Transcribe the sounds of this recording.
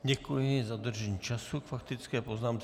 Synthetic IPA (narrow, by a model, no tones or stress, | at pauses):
ɟɛkujɪzad̪r̩ʒɛɲiːt͡ʃasukfakt̪ɪt͡skɛːpo̞znaːmt͡s